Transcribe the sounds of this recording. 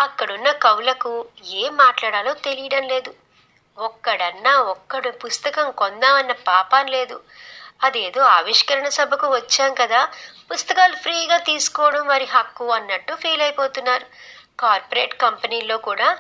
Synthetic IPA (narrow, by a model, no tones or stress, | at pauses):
ɐkːɐɽunːɐkɐwlɐkueːmːaːʈlaːɽaːloːt̪e̞lijɐɽɐnle̞ːd̪u | ɔkːɐɽɐnːaːɔkːɐɽupust̪ɐkɐmkɔnd̪aɐnːɐpaːpaːnle̞ːd̪u | ɐd̪e̞ːd̪o̞ːaːʋiʂkɐɾɐɳɐsɐbʱɐkuʋɐt͡ʃːaːnkɐd̪aːpust̪ɐkaːlupʰɾiːɡaːt̪iːsu̥kɔːɽɐmʋɐːɾiɦɐkːuɐnːɐʈːupʰeːlɐjpoːt̪unːaːɾu | kaːɾpoɾe̞ːʈkɐmpɐniːlo̞ːkuːɽaː